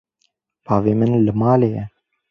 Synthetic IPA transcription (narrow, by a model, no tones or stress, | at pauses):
bʰɑːveːmɨnlɨmɑːleːjɛ